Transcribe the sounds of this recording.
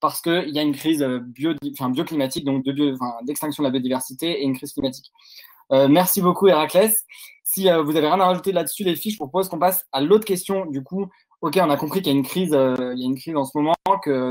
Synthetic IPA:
paʁsə̥kəiljaynkχizøbjod̪ĩfɛ̃bjoklimat̪ik̚d̪ɔ̃k̚d̪əbjõfɛ̃d̪ɛkst̪ɛ̃ksjɔ̃d̪labjod̪ivɛʁsit̪eeynkχiz̥klimat̪i̥k | ømɛʁsibokueʁaklɛsː | iøvuzaveʁjɛ̃naʁaʒut̪elad̪əsylefiʒəvupʰɔpozkɔ̃pasalot̪χə̥kʲɛst̪jɔ̃d̪yku | ɔkʲeɔ̃nakɔ̃pχikljaynkχizøiljaynkχizɑ̃səmɔmɑ̃kə

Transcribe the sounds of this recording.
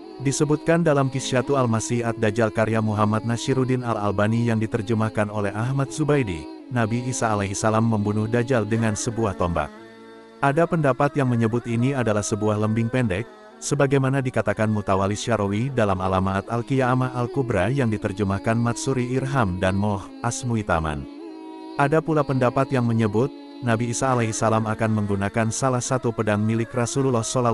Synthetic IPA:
disəbut̪̚kandalamkisiat̪ualmasiat̪̚dad͡ʒalkaɾjamuɦamat̪̚nasiɾudinala̰lbanijaŋdit̪ərd͡ʒəmahkanolɛɦaɦmat̪̚zubajdḭnabiːsaːlaɦisalamːəmbunʊhdad͡ʒaldəŋansəbuaht̪omba̰k̚ | ʔadapəndapat̪jaŋməɲəbʊt̪iniadalahsəbuahləmbɪŋpɛndɛk̚ | səbaɡajmanadikat̪akanmut̪awalisaɾowidalamalamat̪alkijaːmaʔːlkubɾajaŋdit̪ərd͡ʒəmahkanmat̪suɾiːrɦamdanmɔh | asmuit̪a̰ma̰n | ʔadapulapəndapat̪jaŋməɲəbʊt̪̚ | nabiːsaːlaɦisalamakanməŋɡunakansalahsat̪upədaŋmilɪkrasullɔhsola

